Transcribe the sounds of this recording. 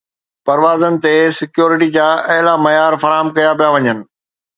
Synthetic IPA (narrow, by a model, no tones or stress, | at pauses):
pɐɾʋaːzənɪ̆t̪esɪkjoːɾɪʈid͡ʑaːʔɐɦɪlamɐjaːɾfɐɾaːɦəmkɐjapijaʋɐɲənɪ̆